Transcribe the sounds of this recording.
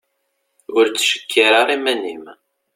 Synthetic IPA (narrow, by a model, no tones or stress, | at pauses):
ʊɾt͡sːʃə̥kʰːiɾaʁimænːim